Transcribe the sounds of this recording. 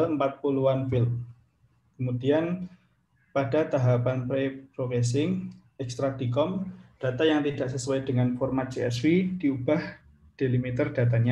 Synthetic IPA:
aləmpat̪̚puluanfil | kəmud̥ian | pada̤t̪aɦapanpɾepɾokɛs̬ɪŋ | ɛkst̪ɾad̪̥ikɔmd̥a̤t̪ajaŋt̪id̥a̤ʔsəsuɛd̥əŋanfɔrmat̪̚t͡ʃeɛswid̥iub̥ah | d̥e̤limit̪ərd̥a̤t̪̬aɲa

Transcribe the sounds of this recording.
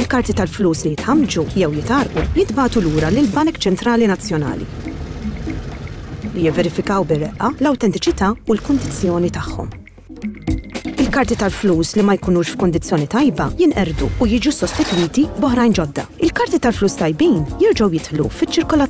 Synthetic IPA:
ɪlkɐɾt̪it̪ɐlfluːslijɪt̪ħɐmd͡ʒujɛwjɪt̪ɐɾʔujɪt̪bɐːt̪uluːɾɐlɪlbɐnkt͡ʃɛnt̪ɾɐːlinɐt͡sːjɔnɐ̰ːlḭ | lijɪvːɛɾɪfɪkɐwbɪɾɛʔːɐlɐwt̪ɛnt̪ɪt͡ʃɪt̪ɐːʊlkʊnd̪ɪt͡sːjɔːnit̪ɐħːɔ̰m | ɪlkɐɾt̪it̪ɐlfluːslimɐjkʊːnuːʃfkʊnd̪ɪt͡sːjɔːnit̪ɐjbɐjɪnʔɛɾd̪uːjɪːd͡ʒusɔst̪ɪt̪wiːt̪ibɔħɾɐjnd͡ʒɔd̪ːɐ̰ɪlkɐɾt̪it̪ɐlfluːst̪ɐjbiːnjɪɾd͡ʒɐwjɪt̪ħlṵfɪt͡ʃːɪɾkɔlɐ

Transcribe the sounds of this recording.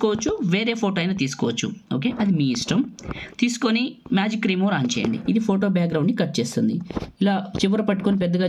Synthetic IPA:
kɔːʋɐt͡ʃːuʋeːɾeːpʰoːʈoːɐjnaːt̪iːsu̥kɔːʋɐt͡ʃːṵoːke̞ːʔɐd̪imiːiʂʈɐmt̪iːsu̥konimjaːd͡ʒikːɾiːmoɾaːnt͡ʃɛ̰ːjɐ̰ɳɖḭid̪ipʰo̞ːʈo̞ːbjaːkɡɾɐwɳɖnikɐʈ̚ːt͡ʃeːst̪und̪iilaːt͡ʃiʋɐɾɐpɐʈːu̥konipɛd̪ːɐɡaː

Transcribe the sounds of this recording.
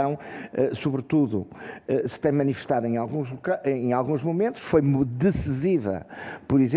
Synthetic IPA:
ɐ̃w̃ɛsuβɾɨt̪uðṵɛsɨ̥t̪ɐ̃j̃mɐnifɨʃt̪aðẽalˠɣũʒlˠukaʔẽalˠɣũʒmumẽnt̪uʃfojmd̪ɨsɨzivɐ̰pɔɾizẽ

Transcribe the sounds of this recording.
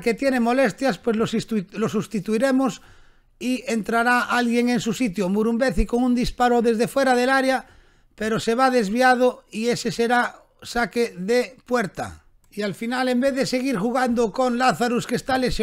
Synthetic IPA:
ket̪jenemo̞lest̪jaspwezloslosust̪it̪uiɾemos | ient̪ɾaɾaʔalɣjeŋensusit̪̬jomuɾumbeθikoŋũnd̪ispaɾoðe̞zðefwe̞ɾaðelaɾja | peɾoseβ̞aðe̞zβiað̞oieseseɾa | sakeðepweɾt̪a̰ | ialfinalembeððeseɣ̞iɾxuɣ̞and̪okoŋlaθaɾuskest̪aleʃ

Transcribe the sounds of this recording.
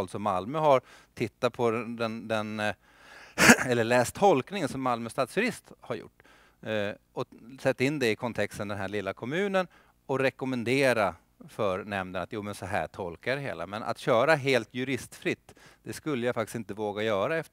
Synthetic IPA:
lsɔmːalmʉɦaɾ | t̪ʰɪt̪ːapʰɔd̪ɛnd̪ɛn | ɛlːəɭɛːst̪ʰːɔlknɪŋənsɔmːalmœst̪ɑːt̪sjɵɾɪst̪haɾjʊ̰ʈː | ɔsɛt̪ːaɪnːd̪ɛɪkʰɔnt̪ʰɛkst̪ənd̪ɛnɦæɭɪlːakʰɔmʉ̟ːnən | ɔɾɛkɔmɛnd̪eːɾa | fœɾnɛmd̪ənat̪juːmɛnsɔɦæ̰ːʈʰɔlkajad̪ɛɦḛːla̰mɛnʔa̰t̪ɕœːɾaɦeːlt̪jɵɾɪst̪fɾɪt̪ːd̪̥ɛskɵlːəjafakt̪ɪ̥sɪnt̪əvoːɡajœːɾaɛf

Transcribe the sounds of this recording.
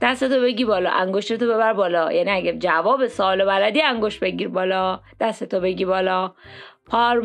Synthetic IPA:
d̪̥æst̪e̞t̪ʰobe̞ɡiːbɒːlɒ̰ʔæŋɡoʃt̪et̪obe̞βæɾbɒːlɒːjʔæniæɟæd͡ʒævɒːbe̞sɒːlobælæd̪iːæŋɡoʃt̪̚beɟiːɾbɒːlɒːd̪̥æst̪et̪ʰobe̞ɡiːbɒːlɒːpʰɒːɾ

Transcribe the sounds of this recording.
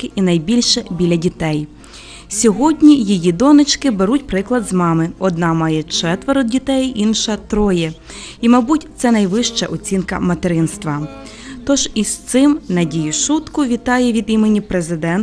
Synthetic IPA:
kɪʔinɐjbʲilʲʃɛbʲilʲːɐdʲit̪ɛj | sʲɔɦɔdʲnʲijijid̪ɔnɪt͡ʃkɪbeɾutʲpɾɪklˠɐd̪zmɑmɪɔd̪̚nɑmɑjɛt͡ʃɛt̪ʋeɾɔdʲit̪ɛjinʃɐt̪ɾɔjɛ | imɐbutʲt̪sɛnɐjʋɪʃt͡ʃɐ̰ʔɔt͡sʲinkɐmɐt̪eɾɪnst̪ʋɐ | t̪ɔʒist̪sɪmnɐdʲijʊʃut̪kʊʋʲit̪ɑjɛʋʲid̪imenʲipɾezɪd̪ɛn

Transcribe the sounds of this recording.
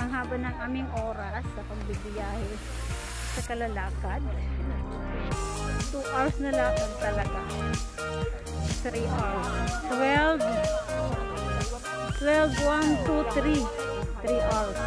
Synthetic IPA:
ɐŋɦaːbɐnːɐŋʔaːmɪŋʔoːɾɐsːɐpɐɡ̚bɪbɪjaːhɛ | sɐkɐlɐlaːkɐd̪̚ | t̪uʔaɾsnɐlaːmɐnt̪ɐlɐɡa | t̪ɾiʔaɾst̪wɛlv | t̪wɛlvwant̪ut̪ɾi | t̪ɾiʔaɹs

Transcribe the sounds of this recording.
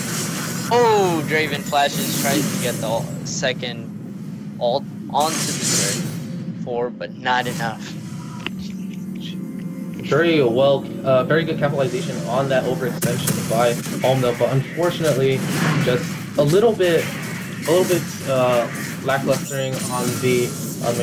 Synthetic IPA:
oʊdɹeɪvɨ̃nflæʃɨz̥tʰɹ̥aɪ̃ztʰɨɡɛt̪̚ðisɛkɨ̃nd | ʔɔlˠ | ʔə̃ntʰɨdɨɹefəɹb̥ʌtⁿnəɾɨnʌf | vɛɹiwɛlˠ | ʌvɛɹiɡʊd̚kʰæpəl̩ˠɨzeɪʃɨ̃nə̃nðɨɾʔoʊvə˞ɨkstɛ̃nʃɨ̃nbaɪɔl̃ˠmðəb̥ʌɾə̃ɱfɔɹt͡ʃɨnɨʔˡlid̥d͡ʒ̥ʌst | əlɪɾl̩ˠbɪɾ | ɪɾl̩ˠbɪt | ʌ | læklʌstə˞ɪ̃ŋə̃nði | ʔm

